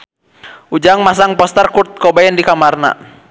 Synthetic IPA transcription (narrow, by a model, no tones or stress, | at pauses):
ud͡ʒaŋmas̬aŋpɔst̪ɛrkurt̪̚kɔbaɛndikamarna̰